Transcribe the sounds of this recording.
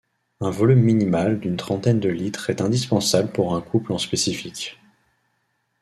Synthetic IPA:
ɛ̃vɔlymːinimald̪ynt̪χɑ̃t̪ɛnd̪əlit̪χɛt̪ɛ̃d̪ispɑ̃sabləpuʁɛ̃kʰuplɑ̃spesifikʲ

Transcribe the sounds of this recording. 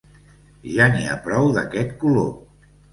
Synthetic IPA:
ʒanḭa̰pɾɔwðəkɛt̪kulo̰

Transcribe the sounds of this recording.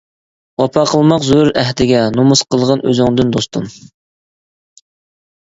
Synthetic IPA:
wɑpʰɑqʰəlˠmɑqzuuɾɛɦd̪ɪɡʲɛnomusqəlˠʁɑnø̰zɪŋd̪ɪnd̪ost̪ʰum

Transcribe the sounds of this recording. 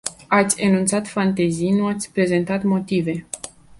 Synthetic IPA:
at̪sʲenunt̪sat̪fant̪e̞zijnuat̪sʲpɾe̞ze̞nt̪at̪mo̞t̪ive̞

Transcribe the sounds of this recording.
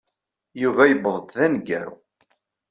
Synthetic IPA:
juvæjəbðˤəd̪ðænɡæ̰ɾṵ

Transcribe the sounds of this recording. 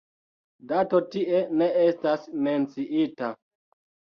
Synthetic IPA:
dato̞tiʔe̞ne̞estasme̞nt͡siʔita

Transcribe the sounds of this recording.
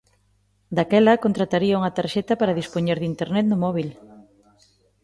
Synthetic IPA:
d̪akɛlɐkont̪ɾat̪aɾiɐuŋɐt̪aɾʃɛt̪ɐpaɾɐðispoɲeɾðint̪eɾnɛt̪nʊmɔβil

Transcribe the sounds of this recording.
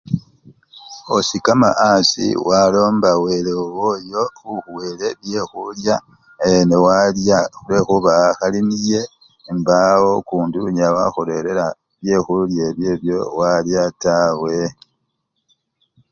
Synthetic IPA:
o̞sikama̰ʔasḭwalo̞ːmbawe̞lewojouxuweɾe̞βje̞xulja | enewalaule̞xuβaxalinije̞ | mbawo̞kuːnduɲawa̰xole̞ɾe̞ɾa | βje̞xuljeβje̞ːβjo̞waljatawe̞

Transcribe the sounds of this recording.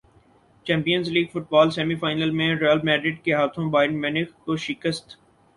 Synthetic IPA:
t͡ʃɛ̃ːmpijənzliːɡfʊʈ̚baːlsɛːmifaːɪnəlmẽɾəlmɛːɖɾɪʈ̚keɦaːt̪ʰõbaːɪnmɪnɪkkoʃɪkəst̪

